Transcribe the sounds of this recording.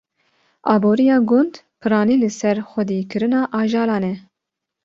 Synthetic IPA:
ɑːboːɾijɑːɡʊnd̪ | pʰɨɾɑːniːlɨsɛɾxʷɛd̪iːkɨɾɨnɑːʔɑːʒɑːɾɑːnɛ

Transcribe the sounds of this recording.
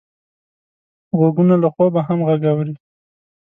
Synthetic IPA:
ɣaɡunalaxwɑbaɦamɣaɡawɾi

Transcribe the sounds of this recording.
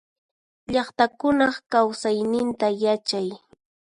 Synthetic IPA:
ʎɑχt̪akʊnɑχkawsajnɪnt̪ajat͡ʃaj

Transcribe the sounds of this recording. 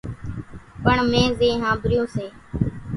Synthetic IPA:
pəɳmẽːzẽːɦãːbɾɪjõːseː

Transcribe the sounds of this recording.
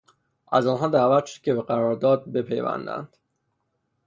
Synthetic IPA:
ʔæzɒːnɦɒːd̪æːvæt̪ʃod̪̥̚cʰʲe̞beɢæɾɒːɾd̪ɒːd̪̚be̞pʰe̞̰jvæ̰nd̪æ̰nd̪̥

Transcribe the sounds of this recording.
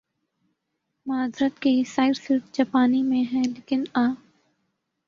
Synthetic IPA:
maːd̪ɾət̪kesaːɪɾsɪʈd͡ʒaːpaːnimẽɦɛ̃leːkɪnaː

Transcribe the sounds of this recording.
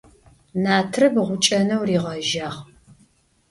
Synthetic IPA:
naːtʰrɨbʁʷʊt͡ʃʼɐnɐwriːʁɐʒaːʁ

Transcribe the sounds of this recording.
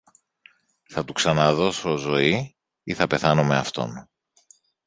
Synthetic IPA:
θɐt̪uksɐnɐðo̞sozo̞i | iθɐpe̞θɐnome̞ɐft̪o̞̰n

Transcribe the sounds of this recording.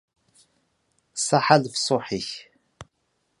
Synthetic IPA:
sɑħalfsˤoħiç

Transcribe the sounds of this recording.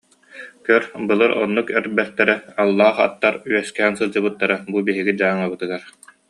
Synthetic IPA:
kœɾbɯlˠɯɾɔnːukɛɾbɛst̪ɛɾɛalˠːaːχa̰t̪ːaɾyœskɛːnsɯlˠd͡ʑɯbɯt̪ːaɾabubiɦiɡid͡ʑaːŋabɯt̪ɯɡaɾ

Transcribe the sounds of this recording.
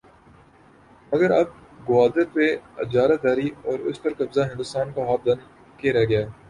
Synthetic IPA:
mɐɡəɾɐb̚ɡʊaːd̪əɾpeɐd͡ʒaːɾat̪̚d̪aːɾiɔːɾʊ̰spɐɾkɐbzaɦɪ̃nd̪ʊst̪aːnkaɦaːb̚d̪ɐn | keɾɛɡɐjaː

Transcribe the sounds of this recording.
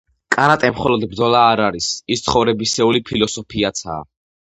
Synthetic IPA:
kʼanat̪ʼɛmχɔlɔd̪bɾd̪zɔlaːɾaɾisist̪sʰχɔvɾɛbisɛulipʰilɔsɔpʰiat̪sʰa̰ː

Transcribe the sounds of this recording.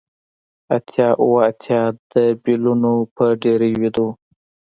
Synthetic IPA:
at̪ʰjɑʔuwaːt̪ʰjɑd̪̥əbilunopəɖeɾiwid̪o

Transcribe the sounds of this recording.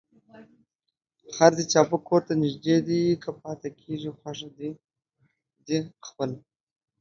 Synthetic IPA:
haɾd̪et͡ʃɑpəkʰoɾt̪anɪʒd̪ed̪ikʰapɑt̪akʰeʐixwaʂad̪i | d̪expəla

